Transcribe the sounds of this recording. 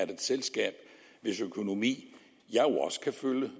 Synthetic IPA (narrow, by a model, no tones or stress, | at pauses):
æɐd̥e̝d̥selsɡ̥ɛ̰ːb̥ʋe̝søkʰo̝no̝mḭː | jɑ̈ɪoɒ̽sə̥kʰæføljə